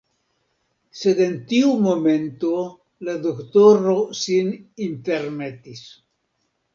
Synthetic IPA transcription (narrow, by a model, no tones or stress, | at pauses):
se̞de̞nt̪iumo̞me̞nto̞ | lad̪oktoɾosininte̞ɾme̞t̪is